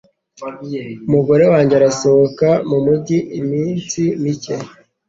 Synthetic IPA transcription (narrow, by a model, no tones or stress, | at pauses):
umuɡo̞ɾe̞waːɲɟeaɾasohokamumuɟiʔimiːnsimice